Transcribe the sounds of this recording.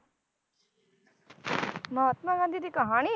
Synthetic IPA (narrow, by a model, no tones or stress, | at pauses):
mʌɦʌt̪maɡʌ̃nd̪ʱiɾikʌɦʌɽ̃i